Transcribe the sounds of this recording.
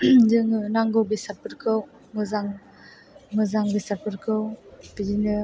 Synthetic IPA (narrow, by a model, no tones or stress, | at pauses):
zɯŋɯnaŋɡɯwbesat̚pɯɾkʰɯw | mɯzaŋ | mɯzaŋbesat̚pɯɾkʰɯwpid͡ʒinɯ